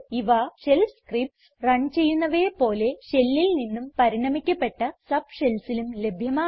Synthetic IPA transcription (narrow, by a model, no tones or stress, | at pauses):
iʋaɕe̞lskripsrɐɳt͡ɕe̞jːunːɐʋe̞ːpo̞ːle̞ɕe̞lːilninːumpɐɾiɳɐmikʲːɐpːe̞ʈːɐsɐbɕelsilumle̞bʱjɐmaː